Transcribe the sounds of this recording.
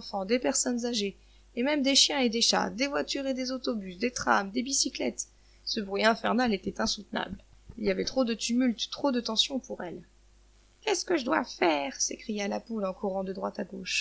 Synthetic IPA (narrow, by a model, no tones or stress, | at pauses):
fɑ̃d̪epɛʁsɔnzaʒeː | mɛmd̪eʃjɛ̃ed̪eʃa̰d̪evwat̪yʁed̪ezot̪ɔbysd̪et̪χa̰md̪ebisiklɛ̰t̪ | səbʁɥiɛ̃fɛʁnalet̪ɛt̪ɛ̃sut̪na̰blilijavɛt̪χod̪ət̪ymylt̪ːχod̪ət̪ɑ̃sjɔ̃puʁɛl | kʲɛskəʒəd̪wa̰fɛːʁsekχijalapulɑ̃kuʁɑ̃d̪əd̪ʁwat̪aɡoʃ